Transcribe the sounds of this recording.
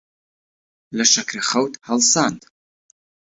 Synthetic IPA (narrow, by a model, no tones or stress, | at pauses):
lɐʃakʰraχɐwtʰʼhalsantʼ